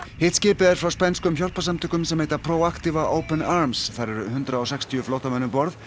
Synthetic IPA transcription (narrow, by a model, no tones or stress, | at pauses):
hɪht̪scɪːpɪðɛɾ̥fɾawspɛnskʏmçjɔl̥pasamt̪ʰʏkʏmsɛmheːjt̪apʰɾowakt̪ɪvaʔoːwpɛnaɾmsθaɾɛɾʏhʏnt̪ɾaɔws̬ɛkst̪ʰiʏflowht̪amɛnʏpɔɾð